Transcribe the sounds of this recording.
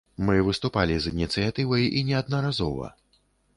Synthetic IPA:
mɨvɨst̪upalʲizinʲit̪sɨjat̪ɨvɐjinʲɛad̪̚nɐɾazɔvɐ̰

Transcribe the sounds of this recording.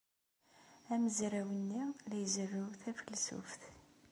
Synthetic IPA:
æməzɾæwənːilæjzərːəwθæfəlsṵfθ

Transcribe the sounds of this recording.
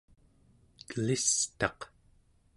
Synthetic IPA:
kəlist̪ɑq

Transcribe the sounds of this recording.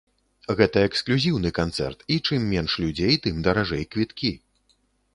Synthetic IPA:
ɣɛt̪ɐɛksklʲuzʲiwnɨkant̪sɛ̰rt̪it͡ʂɨmːʲɛnʂlʲud͡zʲejt̪ɨmd̪ɐɾaʐɛjkvʲit̪kʲi

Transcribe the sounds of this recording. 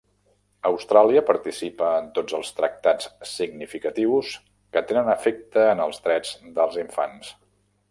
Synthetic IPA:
əwst̪ɾaliəpəɾt̪isipəːnt̪od͡zəlˠst̪ɾək̚t̪at͡ssiɡnifikət̪iws | kət̪enənəfek̚t̪əːnəlˠzd̪ɾɛd͡zd̪əlˠziɱfans

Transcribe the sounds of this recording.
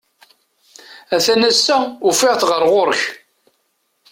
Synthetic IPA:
æθænæsːæʊfɪʁθʁəɾʁoɾç

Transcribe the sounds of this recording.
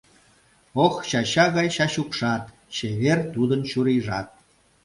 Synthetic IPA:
oxɕɑɕɑɣɑjɕɑɕukʃɑt̪ | t͡ɕeβert̪ud̪ənt͡ɕuɾiʒɑt̪̚

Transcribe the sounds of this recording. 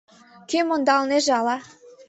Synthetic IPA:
kemond̪ɑlneʒɑlɑ

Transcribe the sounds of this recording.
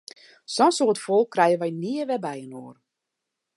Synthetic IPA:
sɔnsoːətfɔlˠkʰːrɛjənʋɛjniəʋɛbɛjənoːr

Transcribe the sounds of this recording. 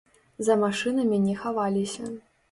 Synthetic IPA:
zɐmaʂɨnɐmʲinʲɛxavalʲisʲɐ

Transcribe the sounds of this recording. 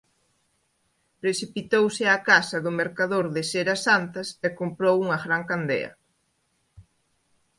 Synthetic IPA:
pɾesipit̪owsɪakasɐðʊmeɾkaðoɾðɪseɾɐsant̪ɐsɛkompɾowuŋɐɣɾaŋkand̪ḛɐ̰

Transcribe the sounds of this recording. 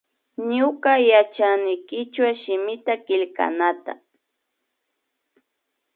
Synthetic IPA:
ɲʊkajat͡ʃanɪjkɪt͡ʃwaʃɪmɪt̪akɪlka̰nat̪a̰

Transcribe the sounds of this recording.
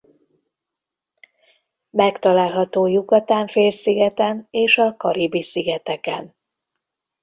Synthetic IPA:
mɛkt̪ɒlaːlɦɒt̪oːjuɡɒt̪aːɱfeːlsiɡɛt̪ɛneːʃɒkɒɾibisiɡɛt̪ɛkɛn

